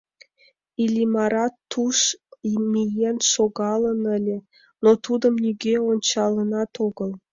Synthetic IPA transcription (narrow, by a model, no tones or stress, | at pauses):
ilʲimɑɾɑt̪ːuʃimijenʃoɣɑlˠə̆nə̆lʲĕ | not̪ud̪ə̆mnʲyɡʲeonʲt͡ɕɑlˠə̆nɑt̪oɡə̆lˠ